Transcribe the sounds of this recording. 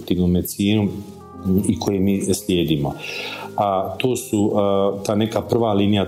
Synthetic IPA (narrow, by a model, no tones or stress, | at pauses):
t̪iːʋnoːmesjiːnum | ikʰo̞jemiːslʲje̞ːd̪iːmoat̪oːsut̪aːnekapr̩ʋaliːnija